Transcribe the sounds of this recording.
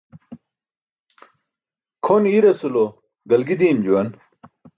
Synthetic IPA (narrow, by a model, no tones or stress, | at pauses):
kʰoniɾɐsulo | ɡɐlɡid̪iːmd͡ʑuwɐn